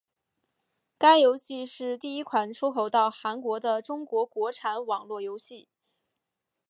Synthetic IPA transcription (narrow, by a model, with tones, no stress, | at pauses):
ka˥ɪjo˧˥ʊɕi˥˧ʂɻ̩˥˧t̪i˥˩i˥kʰwa˨˩nʈ͡ʂʰu˥xo˧˥ʊt̪ɑ˥˩ʊxa˧˥nkwɔ˧˥d̪ə˧ʈ͡ʂʊ˥ŋkwɔ˧˥kwɔ˧˥ʈ͡ʂʰa˧˥nwɑ˨˩ŋlwɔ˥˩jo˧˥ʊɕi˥˩